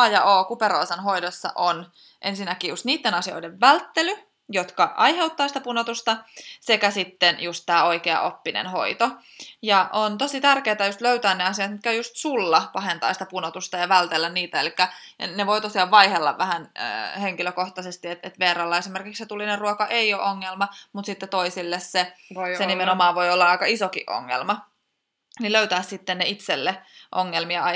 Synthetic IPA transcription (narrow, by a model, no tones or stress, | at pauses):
ɑjɑʔoːkupeɾoisɑnɦoidosːɑ̰ʔon | ʔḛnsinːækiːjust̪niːt̪ːenɑsio̰ideʋːælt̪ːely | jot̪kɑʔɑjɦe̞wt̪ːɑːsi̥t̪æpunot̪ust̪ɑsekæsit̪ːenjust̪tæːo̞ikeɑ̰ʔopːinḛnho̰it̪o | jɑʔont̪osit̪ærkeːt̪æjust̪løyt̪æːnneɑsiɑt̪mit̪̚kæjust̪sulːɑpɑhent̪ɑ̰ːsi̥t̪æpunot̪ust̪ɑjɑʋælt̪elːænniːt̪æelikːæneʋoit̪osiɑːʋʋɑihelːɑ̰ʋʋæhænə̰ːheŋkiløkoht̪ɑsest̪iet̪et̪ʋeːrɑlːɑesimerkikset̪ulːinerruokɑʔeioʔoŋːelmɑmut̪sit̪ːet̪oisilːessesenimenomɑːʋʋoiolːɑɑikɑisokḭʔo̰ŋːḛlmɑ | niløyt̪æːssit̪ːenneit̪selːeʔoŋːelmiɑɑ